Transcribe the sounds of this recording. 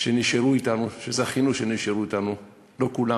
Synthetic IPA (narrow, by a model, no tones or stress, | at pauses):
ʃe̞niʃeʁuit̪anuʃezaχinuʃeniʃeʁuit̪anu | lo̞kula